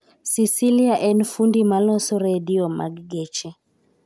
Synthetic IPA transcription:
sisiliaʔɛnfundimalɔsɔɾɛdiɔma̰ɡɡɛt͡ʃɛ

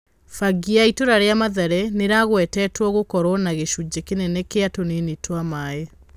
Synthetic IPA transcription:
faɡiaitoɾaɾeamaðɛɾɛneɾaɣwɛtɛtwɔɣokɔɾɔnaɣeʃud͡ʑekenɛnɛkeatonenetwamae

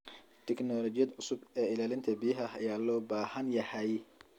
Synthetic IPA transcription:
t̪ʰɛknɔːlɔːt͡ʃɪjɐd̪ʊsʊbɛːɪlaːlɪnt̪ʰɐbijɐɦɐɐjaːlɔːbaːhɐnjɐhɛj

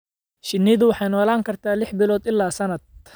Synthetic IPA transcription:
ʃɪnːɪðʊwɑħɑjnɔːlaːŋkʰɐrt̪ʰaːlɪħbɪlɔːd̪ɪlːaːsɐnɐd̪̚

